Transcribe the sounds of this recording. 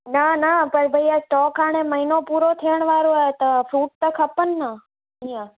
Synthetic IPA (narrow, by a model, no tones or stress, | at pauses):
nanapəɳbʱəjasʈɔːkaɽ̃eməinopuɾot̪ʰeəɳ̃ʋaɾoet̪əfʰɾuːʈ̚t̪əkʰəpənːa | əijã